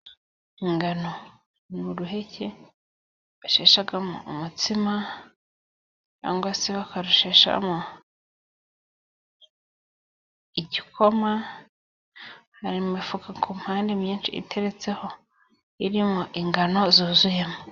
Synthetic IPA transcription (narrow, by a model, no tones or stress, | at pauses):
iŋɡano̞ | nuɾuɦe̞ce | βaʃeʃaɡamo̰umutima | a̰ːŋɡaseβakaɾoʃeʃa̰mo | iɟikʰo̞ma | haɾimumifukʰakʰum̥haːndemjiːnt͡ʃḭḭtʰe̞ɾe̞t͡se̞ho̞ | iɾimoʔiŋɡano̞zuːzuje̞mo